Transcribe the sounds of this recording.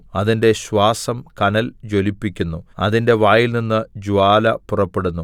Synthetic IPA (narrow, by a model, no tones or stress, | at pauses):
ɐðinde̞ɕwaːsɐmkɐnɐld͡ʑo̞lipːikʲːunːuɐðinde̞ʋaːjilninːɨd͡ʑuaːlɐpurɐpːe̞ɽunːu